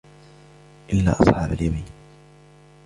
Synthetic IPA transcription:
ʔɪlːa̰ːʔɑsˤħɑːbaljamiːn

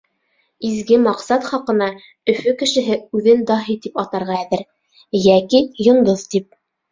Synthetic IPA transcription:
izɡɘmɑqsɑt̪χɑqɤ̆nɑ | ɵ̆fɵkɘ̆ʃɘ̆ɦɘʉðɘnd̪ɑɦit̪ipɑt̪ɑɾʁɑæðɘɾ | jækijŏnd̪oðt̪ip̚

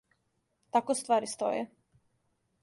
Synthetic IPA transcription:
t̪akost̪vʋaːɾist̪o̰jɛ̰

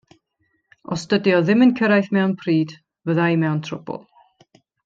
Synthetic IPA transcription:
ɔ̰stədjɔðɪmənkʰəɾajθmɛwnpʰriːd | vəðajmɛwntʰrʊb̥ʊ̰lˠ

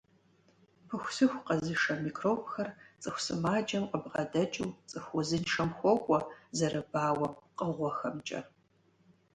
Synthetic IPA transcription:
pʰɨxʷsɨxʷqɐzɨʂɐmikroːpxɐrt͡sʼɨxʷsɨmaːd͡ʒʼɐmqəbʁɐdɐt͡ʃʼuwt͡sʼɨxʷʊzɨnʂɐmxʷɔkʷʼɔzɐɾɐbaːwɐmqʼəʁʷɔxɐmt͡ʃʼɐ̰

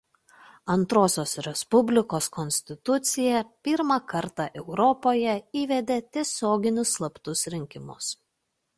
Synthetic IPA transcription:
ɐnt̪ɾoːsʲoːsɾʲɛspʊbʲlʲɪkoːskɔnʲsʲt̪ʲɪt̪ʊt̪sʲɪjɛpʲɪɾmɑˑkɐɾt̪ɑˑʔɛʊɾɔpoːjɛiːʋʲɛd̪ʲeːt̪ʲiɛsʲoːɡʲɪnʲʊsːlˠɐpt̪ʊsɾʲɪŋʲkʲɪmʊs

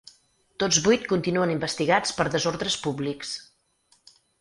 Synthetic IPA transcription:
t̪od͡zβujt̪̚kunt̪inuənimbəst̪iɣat͡spəɾðəzoɾðɾəspubliks

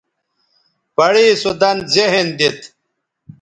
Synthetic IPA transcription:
pɐɽiːsud̪ɐnzeɦend̪it̪

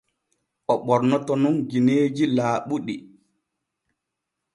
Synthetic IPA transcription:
ʔɔɓɔɾnɔtɔnunɡineːd͡ʒilaːɓuɗi

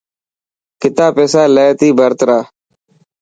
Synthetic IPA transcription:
kɪt̪aːpeːsaːleːt̪iːbʱəɾt̪ɾaː

